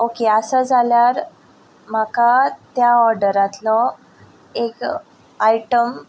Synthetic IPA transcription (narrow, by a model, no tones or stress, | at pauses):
okeəsəd͡zʱaljaɾ | m̤akat̪jaɔɾɖəɾat̪lɔ | ek | ajʈəm